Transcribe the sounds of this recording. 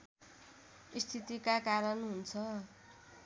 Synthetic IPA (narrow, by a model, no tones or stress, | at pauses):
ist̪ʰit̪ikakaɾʌnɦunt͡sʰʌ